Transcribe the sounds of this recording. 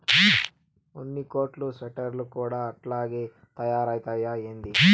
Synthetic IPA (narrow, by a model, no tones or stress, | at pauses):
onːikoːʈluseʈɐɾlukuːɽaɐʈlaːɡe | t̪ɐjaːɾaːjt̪aːjaeːnd̪i